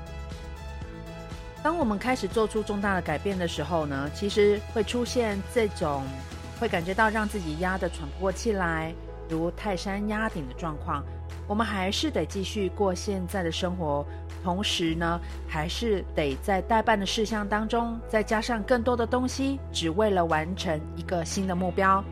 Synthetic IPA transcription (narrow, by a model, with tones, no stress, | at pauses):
t̪ɑ˥ŋwɔ˨˩mə˦nkʰa˥ɪʂɻ̩˨˩t͡swɔ˥˩ʈ͡ʂʰu˥ʈ͡ʂʊ˥˧ŋt̪a˥˩d̪ə˩ka˨˩ɪpjɛ˥˩nd̪ə˩ʂɻ̩˧˥xo˥˧ʊnə˩t͡ɕʰi˧˥ʂɻ̩˧˥xwe˥˩ɪʈ͡ʂʰu˥ɕjɛ˥˧nʈ͡ʂɤ˥˩ʈ͡ʂʊ˨˩ŋ | xwe˥˩ɪka˨˩nt͡ɕɥɛ˧˥t̪ɑ˥˧ʊɻɑ˥˧ŋt͡sɹ̩˥˩t͡ɕi˨˩ja˥d̪ə˨ʈ͡ʂʰwa˧˥npɔ˥˩t͡ɕʰi˨˩la˧˥ɪ | t̪u˧˥t̪ʰa˥˩ɪʂa˥nja˥t̪ʰi˨˩ŋd̪ə˦ʈ͡ʂwɑ˥˧ŋkʰwɑ˥˩ŋ | wɔ˨˩mə˨˦nxa˧˥ɪʂɻ̩˥˩t̪e˨˩ɪt͡ɕi˥˧ɕy˥˧kwɔ˥˧ɕjɛ˥˧nt͡sa˥˩ɪd̪ə˩ʂə˥ŋxwɔ˧˥ | t̪ʰʊ˧˥ŋʂɻ̩˧˥nə˧ | xa˧˥ɪʂɻ̩˥˩t̪e˨˩ɪt͡sa˥˧ɪt̪a˥˧ɪpa˥˩nd̪ə˩ʂɻ̩˥˧ɕjɑ˥˩ŋt̪ɑ˥ŋʈ͡ʂʊ˥ŋt͡sa˥˩ɪt͡ɕja˥ʂɑ˥˧ŋkə˥˩ŋt̪wɔ˥d̪ə˨t̪ʊ˥ŋɕi˨ʈ͡ʂɻ̩˨˩we˥˩ɪlə˩wa˧˥nʈ͡ʂʰə˧˥ŋi˧˥ɡə˧ɕi˥nd̪ə˨mu˥˩pjɑ˥ʊ